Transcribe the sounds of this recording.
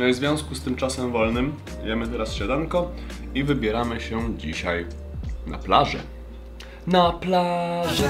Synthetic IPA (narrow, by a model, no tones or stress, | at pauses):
nɛzvʲjɔ̃w̃skust̪ɘmt͡ʂasɛmvɔlnɘm | jɛmɘt̪ɛɾasɕad̪aŋkɔ | ivɘbʲjɛɾamɘɕɛd͡ʑiɕaj | na̰plaʐɛ̰ | naplaʐɛ